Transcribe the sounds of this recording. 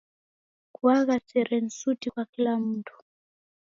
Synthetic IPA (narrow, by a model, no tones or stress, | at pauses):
kuaɣat͡sɛɾɛn̩sutikwakilamutʰu̥